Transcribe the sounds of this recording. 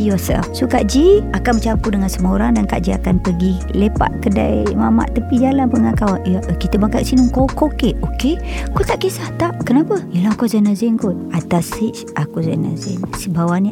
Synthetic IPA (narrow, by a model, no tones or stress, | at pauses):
josa̰fsukaʔd͡ʒiakanmət͡ʃampudəŋansəmaoɾaŋdanka̰ʔd͡ʒia̰kanpəɡi | lepa̰ʔkəda̰jmama̰ʔt̪əpid͡ʒalanpuŋankawajaʔəkit̪əmakaʔ̚sinuŋkokokeʔokekot̪aʔkesaht̪aʔkənapəjəlakozanazinkot̪̚at̪asit͡ʃʔakuza̰na̰zɛ̰nsibawani